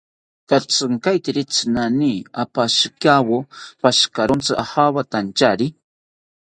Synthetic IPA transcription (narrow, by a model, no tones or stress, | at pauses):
t̪at͡sɨŋkajt̪iɾit͡sɨnaniapaʃkawopaʃkaɾont͡sɨʔahaβat̪ant͡ʃaɾi